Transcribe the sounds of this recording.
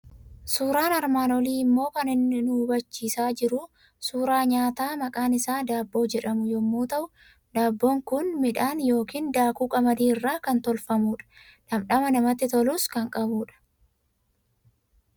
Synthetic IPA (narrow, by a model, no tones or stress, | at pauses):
suːɾaːnɐɾmaːnɔliːɪmːo̞ːkɐnɪnːɪnubɐt͡ʃːiːsaːd͡ʒɪɾʊ | suːɾaːɲaːt̪aːmɐkʼaːnɪsaːd̪aːbːo̞ːd͡ʒɛᶑɐmʊjɔmːuːt̪ɐʔʊ | d̪aːbːoːŋkʊnmɪᶑaːnjo̞ːkiːnd̪aːkuːkʼɐmɐd̪iːɪrːaːkɐnt̪ɔlfɐmuːᶑɐ̥ | nɐmᶑɐmɐnɐmɐt̪ːɪt̪ɔluːskɐŋkʼɐbuːᶑɐ̥